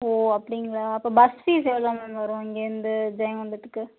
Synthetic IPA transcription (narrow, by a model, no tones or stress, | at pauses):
oːɐpːɐɽɪŋɡɐɭaːɐpːɐːbɐsfiseːlãːnɐnʋɐɾũːɐŋɡeːɪnd̪ɯd͡ʒɐjɐ̃ʋɐnd̪ɯt̪ːɯkːɯ